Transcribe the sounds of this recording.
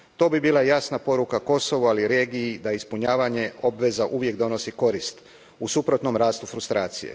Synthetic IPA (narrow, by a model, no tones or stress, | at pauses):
t̪o̞ːbibiːlajasnapo̞ɾukako̞so̞ʋualiɾe̞ːɡiid̪aispuɲaːʋaɲe̞o̞bʋe̞zaʔuʋje̞kd̪o̞no̞siko̞ɾist̪ | usupɾo̞t̪no̞mɾaːst̪ufɾust̪ɾaːt̪sijḛ